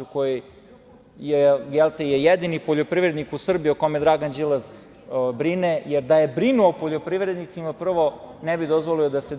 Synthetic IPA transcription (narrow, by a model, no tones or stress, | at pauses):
ukoji | jejelt̪ejejed̪inipoʎopɾiʋɾed̪nikusr̩bioko̞med̪ɾaɡand͡ʒilˠaz | obɾinejeɾd̪aje̞bɾinuopoʎo̞pɾiʋɾed̪nit̪simapr̩ʋo̞nebid̪ozʋoliod̪ase